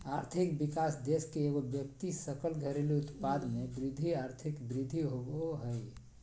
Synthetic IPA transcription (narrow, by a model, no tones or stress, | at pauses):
aɾt̪ʰikbikasd̪eskeːɡobjəkt̪isəkəlɡʱəɾeliut̪pad̪mebɾid̪ʱːiaɾt̪ʰikbɾɪd̪ʱːiɦoɡoɦəj